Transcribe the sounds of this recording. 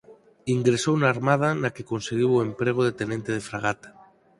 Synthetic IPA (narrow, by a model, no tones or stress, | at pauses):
iŋɡɾesownaːɾmað̞anakekonseɣ̞iwoempɾeɣ̞oðet̪enẽnt̪eð̞efɾaɣ̞at̪ḁ